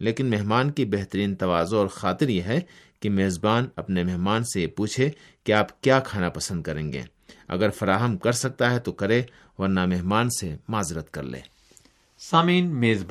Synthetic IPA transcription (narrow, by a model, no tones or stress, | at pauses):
leːkɪnmɛɦmaːnkibɛɦt̪əɾiːnt̪ɐʋaːzoɔːɾxaːt̪ɪɾjeɦɛkimeːzbaːnɐpnemɛɦmaːnsejepuːt͡ʃʰe | kiaːpkjaːkʰaːnapɐsə̃nd̪̚kɐɾẽːŋɡḛː | ɐ̰ɡəɾfɐɾaːɦəmkɐɾsɐk̚t̪aɦɛt̪okɐɾe | ʋɐɾnamɛɦmaːnsemaːzɾət̪kɐ̰ɾlḛ̃ː | saːmiːnmeːzb